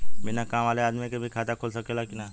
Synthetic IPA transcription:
bɪnakaːmaːleaːd̪mikebʱikʰaːt̪akʰolsɐkeːlakina

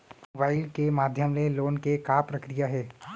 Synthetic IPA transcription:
mobaːɪlkemaːd̪ʱjəmleloːnkekaːpɾɐkɾijaɦɛː

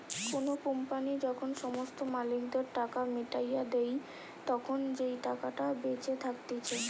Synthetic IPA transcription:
konokompanid͡ʑɔkʰonʃɔmost̪omalik̚d̪eɾʈakameʈajad̪ej | t̪ɔkʰond͡ʑejʈakaʈabet͡ɕet̪ʰak̚t̪et͡ɕʰe

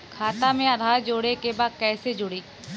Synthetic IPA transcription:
kʰaːt̪amẽɐd̪ʱaːɾd͡ʒoːɽekebaːd̪̚kɛːsed͡ʒʊɽiː

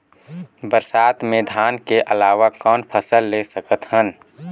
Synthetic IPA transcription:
bəɾsaːt̪mẽd̪ʱaːnkeʔəlaːʋakɔːnpʰəsəlːesəkət̪hən

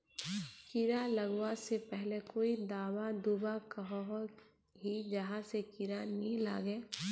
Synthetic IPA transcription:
kiɾaləɡwasepɛɦlekoːid̪aːwad̪ubakəɦɦ | ɦid͡ʒɐɦãsekiɾanĩla̰ːɡeː

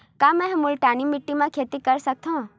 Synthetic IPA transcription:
kaːmɛ̃ɦɐmulʈaːnimɪʈːimãkʰeːt̪ikɐɾsɐk̚t̪aũ

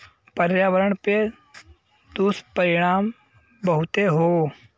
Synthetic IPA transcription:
pəɾjaːʋəɾəɳpe | d̪uspəɾɪɽ̃aːm | bəɦʊt̪eɦoː

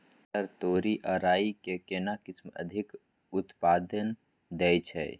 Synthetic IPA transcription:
t̪əɾt̪oːɾiʔaːɾaːikekenakɪsmə̰d̪ʱɪk | ʊt̪paːd̪ən | d̪ɛːt͡ʃʰɛ̰ː

